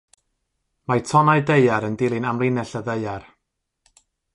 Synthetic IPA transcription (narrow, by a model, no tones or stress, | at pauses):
majtʰɔnajdejaɾəndɪlˠɪnamlˠɪnɛɬəðeɨar